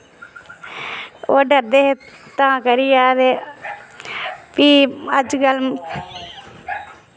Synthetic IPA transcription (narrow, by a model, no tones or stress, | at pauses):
oɖɐɾd̪eɦet̪ãːkɐɾijaːd̪e | piːɐd͡ʒɡɐlm